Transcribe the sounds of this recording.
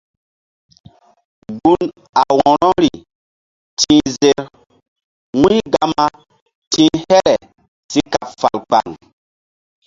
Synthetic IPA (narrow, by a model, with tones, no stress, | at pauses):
ɡu˦n | a˨wɔ̃˨ɾɔ˦ɾi˨ | tʰĩ˦ze˦ɾ | wĩ˦ɡa˦ma˦ | tʰĩ˦hɛ˦ɾɛ˨ | si˦ka˨pfa˨lk͡pa̰˨ŋ